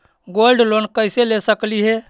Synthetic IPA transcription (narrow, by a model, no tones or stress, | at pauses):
ɡolɖlonkəselesəkliɦe